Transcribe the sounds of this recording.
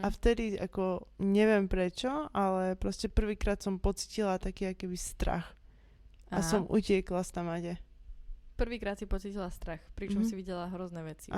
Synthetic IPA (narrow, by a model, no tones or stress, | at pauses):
aft̪ɛd̪iakɔɲɛʋɪɛmpɾɛt͡ʃɔʔalɛpɾɔscɛpr̩ʋiːkɾaːt̪sɔmpɔt͡si̥cilat̪akiːakɔkɛbist̪ɾa̰x | asɔmṵcɪɛklast̪amaɟɛ | pr̩ʋiːkɾaːt̪sipɔt͡sicilast̪ɾaxpɾit͡ʃɔmsiʋiɟɛlaɦɾɔznɛʋɛt͡si